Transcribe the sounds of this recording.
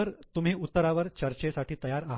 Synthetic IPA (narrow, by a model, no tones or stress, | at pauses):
əɾt̪um̤iːut̪ːəɾaʋəɾt͡ɕəɾt͡ɕesaʈiːt̪əjaɾaɦ